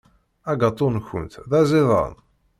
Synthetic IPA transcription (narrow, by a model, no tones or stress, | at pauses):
æɡɑt̪ˤːonçʊ̰nt̪ðæziðˤə̰n